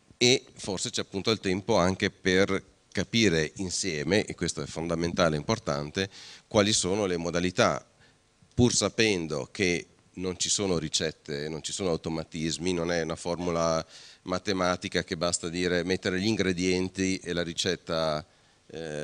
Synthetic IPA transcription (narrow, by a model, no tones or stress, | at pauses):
eforset͡ʃɛapːunt̪oilt̪ɛmpoaŋk̟eper | kapiːɾeʔinsjɛːmeʔekːwest̪oɛfond̪ament̪aːleimport̪a̰nt̪ekwaːlisoːnolemod̪alit̪a̰ | pursapɛnd̪o̰kʰe | nont͡ʃisoːnoɾit͡ʃɛt̪ːenont͡ʃi̥soːnoawt̪omat̪izminonɛunaformulamat̪emaːt̪ikak̟ebast̪ad̪iːɾemet̪ːeɾeʎiŋɡɾed̪jɛnt̪ielaɾit͡ʃɛt̪ːa